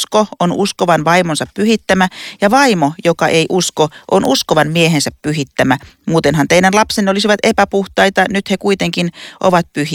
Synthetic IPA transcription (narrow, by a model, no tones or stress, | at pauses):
skoonuskoʋɑnʋɑimonsɑppyhit̪ːæmæjɑʋɑimojokɑʔeiʔuskoʔonʔuskoʋɑnmieɦensæppyɦit̪ːæmæmuːt̪enɦɑnt̪einænlɑpsenːolisiʋɑt̪epæpuht̪ɑit̪ɑnyt̪hekuit̪eŋkinʔo̰ʋɑt̪̚pyhi